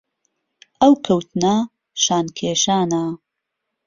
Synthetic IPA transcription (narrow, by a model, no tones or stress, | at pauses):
ʔɐwkʰɐwt̪nɐ | ʃaːnkʰeːʃaːnɐ